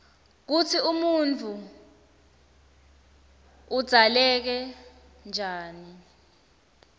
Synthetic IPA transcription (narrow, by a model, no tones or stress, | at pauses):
k̬utʰiumunt͡fʰu | ud̥z̥ʱalɛk̬ɛ | nd͡ʒʱaːni